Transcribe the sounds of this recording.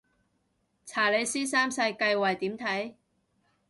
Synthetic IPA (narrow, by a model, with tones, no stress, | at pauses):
t͡sʰaː˨˩le˨˧jsiː˥saː˥msɐ˧jkɐ˧jwɐ˨˩jt̪iː˨˥mt̪ʰɐ˨˥j